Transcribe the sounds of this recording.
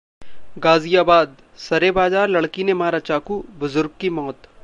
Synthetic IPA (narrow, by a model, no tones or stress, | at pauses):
ɡaːzijaːbaːd̪̚ | sɐɾebaːd͡ʒaːɾlɐɽkinemaːɾat͡ʃaːkubʊzʊɾɡ̚kimɔːt̪